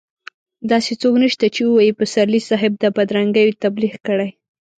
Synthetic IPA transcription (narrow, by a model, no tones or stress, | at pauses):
d̪ɑset͡soknəʃt̪at͡ʃewəwɑjipəsaɾlisɑɦɪb̚d̪əbad̪ɾaŋɡəjot̪abliɣkəɽaj